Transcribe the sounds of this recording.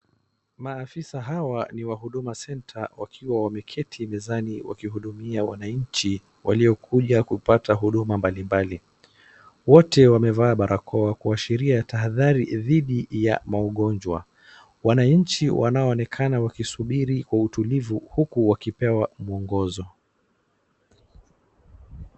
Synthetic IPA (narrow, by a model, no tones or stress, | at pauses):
maːfisaɦawaniwaɦuɗumasɛntʰawakʰiwawamɛkʰɛtʰimɛzaniwa̰kiɦuɗumiawanaɲ̩t͡ʃi | waliɔkʰuʄakupataɦuɗumambalimbali | wɔtɛwamɛvaːɓaɾakʰɔakuaʃiɾiataɦaðaɾiðiɗijamaɔɠɔnd͡ʒwa̰ | wanaɲ̩t͡ʃiwʔa̰naɔːnɛkʰanawakisuɓiɾikwautulivuhukuwakipɛwamuɔŋɡɔzɔ